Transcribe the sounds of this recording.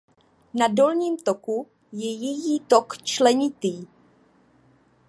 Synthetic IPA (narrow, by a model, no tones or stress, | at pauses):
nado̞lɲiːmt̪o̞ku | jɛjɛjiːt̪okt͡ʃlɛɲɪt̪iː